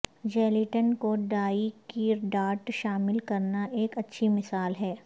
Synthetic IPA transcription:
d͡ʒɛːlɪʈənkoɖaːikiɖaːʈʃaːmɪlkɐɾnaʔeːkɐtːʃʰimɪsaːlɦɛː

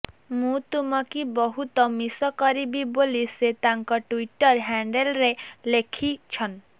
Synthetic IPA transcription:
mũt̪umɔkibɔɦut̪ɔmisɔkɔɾibiboliset̪aŋkɔʈuiʈɔɾɦaɳɖelɾelekʰit͡ʃʰɔn

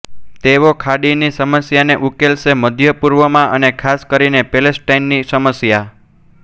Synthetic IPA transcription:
t̪eʋokʰaɽinisəməsjaneʔukelʃeməd̪ʱjəpuɾʋəmãʔənekʰaskəɾinepelesʈainːisəməsja

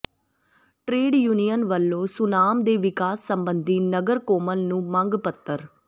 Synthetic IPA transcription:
ʈɾeːɖjuːnijənʋəlːõːsʊnaːmd̪eːʋɪkaːsːəmbənd̪iːnəɡəɾkoːməlnũːmə̃ŋɡpət̪ːəɾ

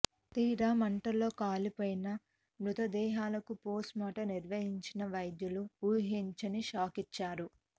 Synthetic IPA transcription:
t̪iːɾaːmɐɳʈɐlo̞ːkaːlipoːjinɐ | mɾut̪ɐd̪ɛːɦaːlɐkupoːsmaːʈɐniɾʋɐɦiɲt͡ʃinɐʋɐjd̪juluuːɦiɲt͡ʃɐniʃaːkit͡ʃːaːɾu

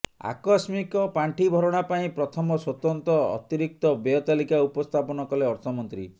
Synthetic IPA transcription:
a̰kɔsmikɔpaɳʈʰibʱɔɾɔɽ̃apaĩpɾɔt̪ʰɔmɔswɔt̪ɔnt̪ɔ̰ːt̪iɾik̚t̪ɔbejɔt̪alikaupɔst̪ʰapɔnɔkɔleɔɾt̪ʰɔmɔnt̪ɾḭ

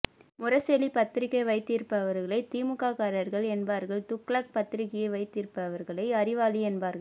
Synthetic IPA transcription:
mʊrɐsɛlipɐt̪ːɪɾɪkːɐʋɐɪt̪ːiːɾpɐʋɐɾɣɐɭɐɪt̪iːmʊkaːkaːɾɐɾɣɐɭɛnbaːɾɣɐɭt̪ʊkːɭɐk̚pɐt̪ːɪɾɪkːɪjɐɪʋɐɪt̪ːiːɾpːɐʋɐɾɣɐɭɐɪɐrɪʋaːliɛnbaːɾɣɐɭ

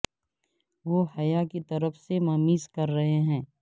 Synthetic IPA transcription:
ʋoːhɐjakit̪ɐɾəfsemɐmiːzkɐɾːɐɦeɦɛ̃ː

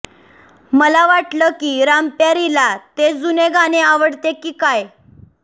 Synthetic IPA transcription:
məlaʋaʈləːkiːɾampjaɾilat̪ed͡zuneɡaneaʋəɽt̪ekiːkaj

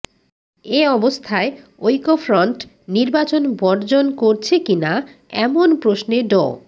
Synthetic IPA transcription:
eɔbost̪ʰae | ojkofɾɔɳʈ | niɾbat͡ɕonbɔɾd͡ʑonkoɾt͡ɕʰekina | ɛ̰monpɾosneɖɔ

